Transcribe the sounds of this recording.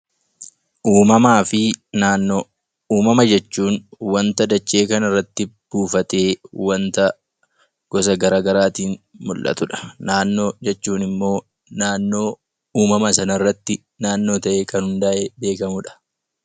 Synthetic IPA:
uːmɐmaːfɪ | uːmɐmɐd͡ʒɛt͡ʃːuːnwɐnt̪ɐd̪ɐt͡ʃːe̞ːkɐnɪrːɐt̪ːɪb̥uːfɐt̪e̞ːwɐnt̪ɐ | ɡ̥ɔsɐɡɐɾaːɡɐɾaːt̪iːnmʊlʔɐ̰t̪ʊᶑɐ̥naːnːo̞ːd͡ʒɛt͡ʃːuːnɪmːo̞ː | naːnːo̞ː | uːmɐmɐsɐnɐɪrːɐt̪ːɪ | naːnːo̞ːt̪ɐʔeːkɐnhʊnd̪aːʔebe̞ːkɐmʊᶑɐ̥

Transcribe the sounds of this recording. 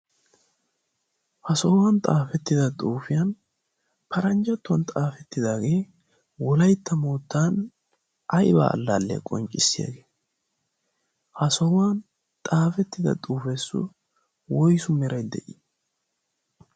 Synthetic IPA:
hɐsɔwwɐnt̪ʼaːfɛt̪ːɪd̪ɐt̪ʼuːfɪjɐn | pʰɐɾɐnd͡ʒɐt̪ːʊwɐnt̪ʼaːfɛt̪ːɪd̪aːɡe̞ː | wɔlɐjt̪ːɐmoːt̪ːaːn | ʔɐjba̰ːɐ̰lːa̰ːlːɛ̰kʼɔ̰nt͡ʃʼːɪsːɪja̰ɡeː | hɐsɔwan | t̪ʼaːfɛt̪ːɪd̪ɐ̰t̪ʼuːfɛsːʊ̰ | wɔjsʊmɛɾɐjd̪ɛ̰ʔɪ

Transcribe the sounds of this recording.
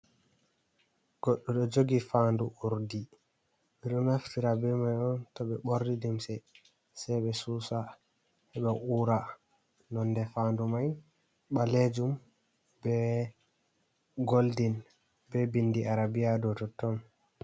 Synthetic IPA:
ɡ̥ɔɗːɔɗɔd͡ʒoɡifanduʔuɾdi | miɗɔnaftiɾabɛmajɔntɔɓɛɓoɾdidimsɛ | sɛjɓɛsusa | hɛɓɛʔuːɾa | nɔndɛfandumaj | ɓaled͡ʒum | bɛ | ɡoldin | bɛbindiʔaɾabijadɔtɔtːɔm

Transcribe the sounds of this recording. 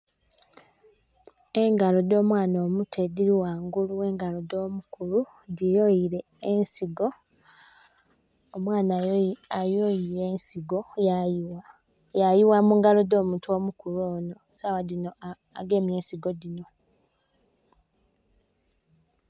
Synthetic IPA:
e̞ŋɡalo̞do̞ːmwaːno̞ːmutʰe̞diɾiwaːŋɡuluwe̞ːŋɡalodoːmukulu | dijojiɾeː | nsiɡo | omwaːnaajojiɾe̞ːnsiɡo̞ | jajiwamuːŋɡalodoːmuːntuo̞ːmukuɾoːno̞sawadino̞ | a̰ɡe̞ːmje̞ːnsiɡodino̞

